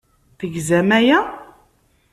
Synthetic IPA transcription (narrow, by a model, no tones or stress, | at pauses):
θəɡzæmæjæ